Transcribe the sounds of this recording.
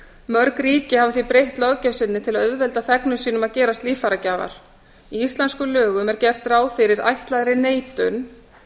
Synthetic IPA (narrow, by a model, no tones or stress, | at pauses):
mœɾkɾiːcɪhavʏθipɾejht̪lɔcɛwsɪnːɪt̪ʰɪlaðœðvɛlt̪aθɛknʏsiːnʏmaðcɛːɾast̪liːfaɾacaːva̰ɾ̥ | iist̪lɛnskʏlœːɣʏmɛɾcɛr̥t̪raːwfɪɾɪɾa̰jht̪laðɾɪneːjt̪ʏn